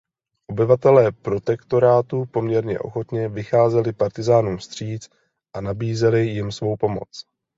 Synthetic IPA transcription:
ʔo̞bɪvat̪ɛlɛːpɾo̞t̪ɛkt̪o̞ɾaːt̪upo̞mɲɛɾɲɛ̰ʔo̞̰xo̞t̪ɲɛvɪxaːzɛlɪpaɾt̪ɪzaːnuːmst̪r̝̥iːt͡s | ʔanabiːzɛlɪjɪmsvo̞wpo̞mo̞̰t͡s

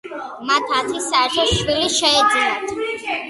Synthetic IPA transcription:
mat̪ʰasʰisːaɛɾt̪ʰɔsʃwiliʃɛɛd̪ziɛt̪ʰ

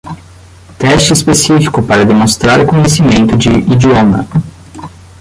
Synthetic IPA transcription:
t̪ɛst͡ʃispesifi̥kʊpaɾad̪imost̪ɾaɾekoɲesimẽnt̪ʊd̪ḭʔid͡ʒiɔmɐ̰

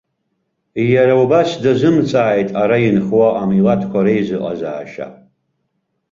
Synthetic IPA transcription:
jaɾaubasdazɨmt͡sʼaːjtʼaɾajinχwaʔamilatʰkʷʰaɾejzɨqʼa̰za̰ːʃa̰

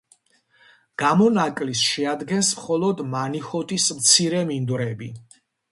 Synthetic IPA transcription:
ɡ̥amɔnakʼlisʃɛad̪ɡɛnsmχɔlˠɔd̪manixɔt̪ʼismt̪sʰiɾɛmind̪ɾɛbi

